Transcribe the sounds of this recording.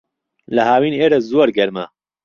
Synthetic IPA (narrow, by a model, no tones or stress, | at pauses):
lɐɦaːwiːneːɾɐzoːɾɡɐɾmɐ